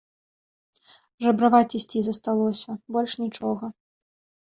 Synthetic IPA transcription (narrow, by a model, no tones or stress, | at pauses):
ʐɐbɾavat͡sʲisʲt͡sʲizɐst̪alˠɔsʲɐbɔlʲʂnʲit͡ʂɔɣɐ